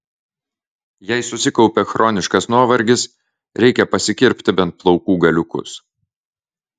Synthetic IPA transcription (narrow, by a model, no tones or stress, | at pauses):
jɛɪsʊsʲɪkɒʊpʲɛxɾʔɔːnʲɪʃkɐsnuɔʋɐɾʲɡʲɪs | ɾʲɛɪkʲɛpɐsʲɪkʲɪɾʲpʲt̪ʲɪbʲɛnt̪̚plˠɒʊkuːɡɐlʲʊkʊ̰s